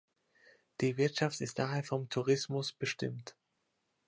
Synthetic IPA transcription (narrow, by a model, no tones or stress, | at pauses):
d̥iːvɪɐtʃaftɪstd̥aːɦeːɐfɔmtʰuʁ̞ɪsmʊsb̥əʃtɪ̰mt